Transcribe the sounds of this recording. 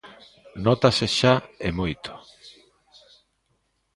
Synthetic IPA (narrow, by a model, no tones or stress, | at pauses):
nɔt̪aseʃaemojt̪ʰo̥